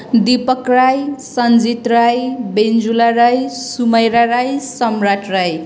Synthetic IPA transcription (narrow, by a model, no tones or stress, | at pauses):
d̪ipʌkrajsʌnd͡zit̪rajbend͡zulaɾajsumʌjɾaɾajsʌmraʈraj